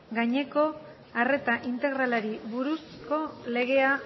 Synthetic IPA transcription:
ɡaɲe̞ko̞ | are̞t̪aʔint̪e̞ɣ̞ɾalaɾiβuɾusko̞le̞ɣ̞e̞a

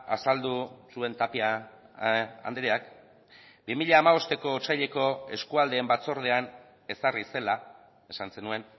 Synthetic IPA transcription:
a̰sald̪usue̞nt̪apia | a̰nd̪eɾeak | bimiʎaːmaβo̞st̪e̞ko̞ːt͡sajʎe̞ko̞e̞skuald̪e̞ːmbat͡so̞ɾð̞e̞an | e̞sarise̞la | e̞sanse̞nue̞n

